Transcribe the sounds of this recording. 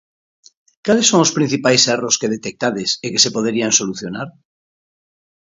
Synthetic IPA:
kalesːoŋospɾin̟θipajseroskeðet̪ek̚t̪aðesekese̞poð̞eɾianso̞luθjonaɾ

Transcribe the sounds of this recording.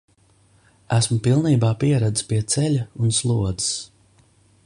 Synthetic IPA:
æsmʊpilˠniːbaːpiɛɾad̪ispiɛt̪sɛʎʲaunslˠuɔd̪i̥s

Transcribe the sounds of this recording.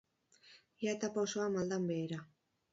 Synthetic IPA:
jat̪apaosoamald̪ambeːɾa

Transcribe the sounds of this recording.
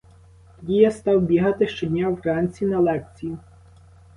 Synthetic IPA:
dʲijɐst̪ɑwbʲiɦɐt̪ɪʃt͡ʃɔd̪ʲnʲawɾɑnʲt͡sʲinɐlˠɛk̚t͡sʲijʊ

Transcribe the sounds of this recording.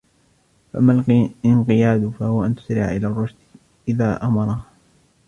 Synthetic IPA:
faʔamːalɪnqɨjaːd̪fahʊwaʔant̪ʊ̥sɾɪʕaʔɪlaːrˤːʊʃd̪ | ʔɪðaːʔamɑɾˤɑ

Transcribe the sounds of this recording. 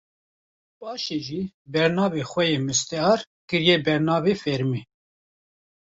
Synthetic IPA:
bɑːʃeːʒiːbɛɾnɑːbexʷɛjeːmɨst̪ɛɑːɾ | kɨɾjɛːbɛɾnɑːbeːfɛɾmeː

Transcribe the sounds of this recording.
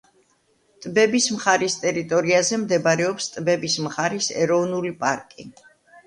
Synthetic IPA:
t̪ʼbɛbismχaɾist̪ʼɛɾit̪ʼɔɾiazɛmd̪ɛbaɾɛɔpst̪ʼbɛbismχaɾisɛ̰ɾɔvnulipʼa̰ɾkʼi

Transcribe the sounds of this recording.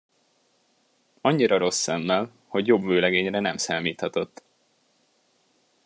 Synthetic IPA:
ɒɲːiɾɒɾo̞sːɛmːɛl | ho̞ɟjo̞bvøːlɛɡeːɲrɛnɛmsaːmiːt̪hɒt̪o̞t̪ː

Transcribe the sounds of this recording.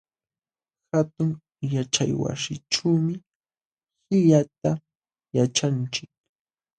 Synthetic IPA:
hat̪ʊŋ | jat͡ʃa̰jwa̰sɪʈ͡ʂuːmɪ | hɪʎat̪a | jat͡ʃant͡ʃɪk̚

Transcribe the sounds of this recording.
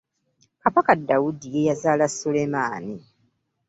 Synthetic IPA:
kaβakadːawudijejazaːlasolemaːni

